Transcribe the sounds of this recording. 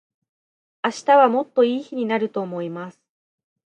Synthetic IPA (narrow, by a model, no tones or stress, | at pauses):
aɕi̥t̪aβamo̞t̪ːo̞iːçiɲ̟inaɾɯ̟t̪o̞ːmo̞imasɨ̥